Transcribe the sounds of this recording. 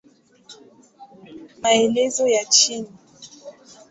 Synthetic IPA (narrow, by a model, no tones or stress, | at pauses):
maelɛzɔjat͡ʃini